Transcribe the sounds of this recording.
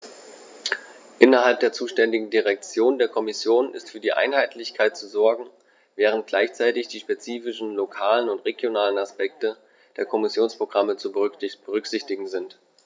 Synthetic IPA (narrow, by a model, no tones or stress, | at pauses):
ʔɪnɐɦalp̚d̥eːɐt͡suːʃtɛndɪɡŋ̩diʁɛk̚t͡sjoːndeːɐkʰɔmɪsjoːnʔɪ̰stfyːɐdiːʔa̰ɪnɦaɪtʰlɪçkʰaɪt̚t͡suzɔɐɡŋ̩ | vɛːʁ̞ənt̚ɡ̥laɪçt͡saɪtɪçd̥iːʃpet͡siːfɪʃn̩lokʰaːlənʊntʁeɡjonaːlənaspɛk̚tə | d̥eːɐkʰɔmɪsjoːnspʁ̥oɡʁamət͡sub̥əʁʏkz̥ɪçtɪɡŋ̩zɪnt